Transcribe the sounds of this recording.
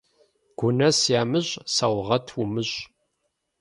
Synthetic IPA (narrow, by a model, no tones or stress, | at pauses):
ɡ̥ʷʊnɐsjaːmɨʑʼsawʁɐtʰumɨʑ